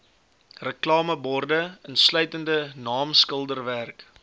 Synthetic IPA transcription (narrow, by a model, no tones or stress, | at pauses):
rəklɑːməbɔrdəənslœɥtəndənɑːmskəlˠdərværk